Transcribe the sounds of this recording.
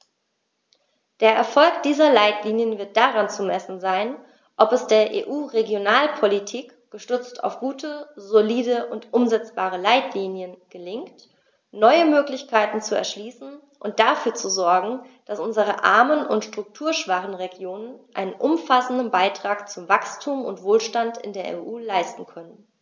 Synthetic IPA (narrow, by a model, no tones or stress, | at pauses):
d̥eːɐʔɛɐfɔlkd̥iːzɐlaɪtliːnjənvɪɐt̚d̥aʁant͡sumɛsn̩zaɪn | ʔɔpɛsd̥eːɐʔḛːʔuːʁeɡjonaːlpʰolitʰiːk | ɡ̥əʃtʏt͡stʰa̰ʊfɡ̥uːtʰəzoliːdəʔʊntʔʊmzɛt͡sb̥aːʁ̞əlaɪtʰliːnjənɡ̥əlɪŋkt | nɔʏəmøːklɪçkʰaɪtn̩t͡suɛ̰ɐʃliːsn̩ | ʔʊnt̚d̥afyːɐt͡suzɔɐɡŋ̩d̥asʔʊnzəʁ̞əʔa̰ɐmənʊntʃtʁ̥ʊk̚tʰuːɐʃv̥aχn̩ʁeɡjoːnənʔa̰ɪnənʔʊmfasn̩dn̩baɪtʁ̥aːkt͡sʊmvakstʰuːmʊ̰ntv̥oːlʃtantɪ̰ndeːɐḛːʔuːlaɪstn̩kʰœnən